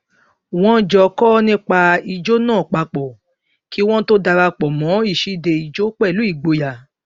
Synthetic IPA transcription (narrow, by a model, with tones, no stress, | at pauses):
w̃ɔ̃˦d͡ʒɔ˧kɔ˦nĩ˦k͡pa˧i˧d͡ʒo˦nãː˦˨k͡pa˨˧k͡pɔ˨ | ki˦w̃ɔ̃˦to˦da˧ɾa˧k͡pɔ˨mɔ̃˨˦i˦˨ʃi˨˦de˧i˧˨d͡ʒo˦k͡pɛ˦˨lu˨˦i˦˨ɡ͡bo˧ja˨